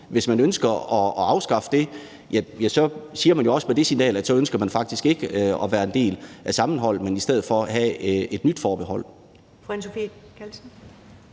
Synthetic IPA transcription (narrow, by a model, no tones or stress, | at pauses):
ʋe̝smænønsɡ̥ɐɒ̽ːɑ̈ʊsɡ̥ɑ̈fəd̥e̝ | jæjæsɒ̽siːɐmænjo̝ɒ̽spʰɒ̽d̥e̝sinɛ̰ːlæ̥sɒ̽ønsɡ̥ɐmænfɑ̈ɡ̥̚d̥isɡ̥e̝ɡ̥əɒ̽ʋæːɐe̝nd̥e̝̰ːlʔæsɑ̈mn̩ɦɒ̽l̰menisd̥eð̞̰̩ˠfɒ̽ɦæe̝d̥nyd̥fɒːb̥ehɒ̽l̰ | fænsofi | kʰælsn̩